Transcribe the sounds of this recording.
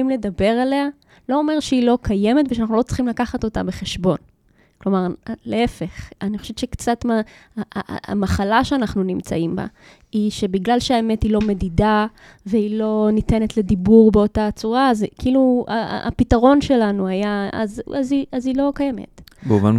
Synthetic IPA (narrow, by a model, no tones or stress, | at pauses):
imle̞dabe̞ʁale̞a | lo̞ome̞ʁʃeilo̞kʰaje̞metveʃanaχnulot͡sl̥χimlakaχato̞ta̰be̞χe̞ʃbo̞n | klo̞maʁleefe̞χaniχoʃevtt͡ʃekt͡satmaa̰amaχalaʃeanaχnunimt͡sa̰imba̰ | iʃe̞biɡlalʃeaemetilo̞me̞dida | veilo̞nite̞ne̞tledibuʁbeo̞tat͡suʁazkiilua̰pitaʁo̞nʃe̞lanuajaa̰zaziʔazilo̞kaje̞mḛtbeuvan